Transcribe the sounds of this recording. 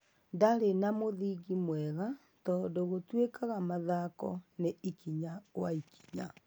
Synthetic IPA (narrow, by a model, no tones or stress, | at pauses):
ndaɾenamoðiɣimwɛɣa | tɔːndoɣotwekaɣamaðakɔ̰neikiɲaɣwaikʰi̥ɲa